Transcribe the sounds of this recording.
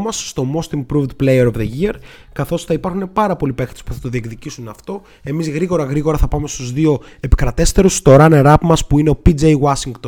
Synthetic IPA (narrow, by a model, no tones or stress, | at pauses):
mɐsːt̪o̞mo̞st̪iŋpɾuvd̪plejeɾovðeʝiɐɾ | kɐθo̞sθɐipɐɾxune̞pɐɾɐpo̞lipe̞xt̪espu̥θɐt̪oðiekðicisunɐft̪o̞ | e̞mizɣɾiɣo̞ɾɐɣɾiɣo̞ɾɐθɐpɐme̞st̪uzðio̞e̞pi̥kɾɐt̪e̞st̪e̞ɾust̪o̞ɾɐneɾɐpmɐspuine̞o̞pid͡zejwɐsiŋɡt̪o